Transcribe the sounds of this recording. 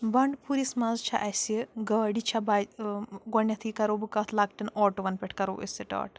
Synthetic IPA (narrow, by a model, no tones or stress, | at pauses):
bɐɳɖpʰuɾismɐzt͡ʃʰa̰ʔɐsiɡəːɖit͡ʃʰaba | ɡɔnjɐt̪ʰikɐɾobɨkɐt̪ʰlɐk̚ʈɐnoːʈuʋɐnpʲeʈʰkɐɾo̰ːʔḭsɐʈa̰ːʈ